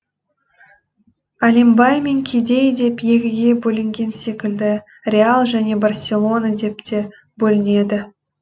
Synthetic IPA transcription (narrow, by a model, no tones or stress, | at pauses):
alʲembɑjmeŋkʲʰed̪e̞jd̪e̞pje̞kʲɪɡʲe̞bɵlɪŋɡʲe̞nse̞kʲɪld̪ɪ | rʲealˠʒæne̞barsʲe̞lˠo̞nad̪e̞p̚t̪e̞ | bɵlɪne̞d̪ɪ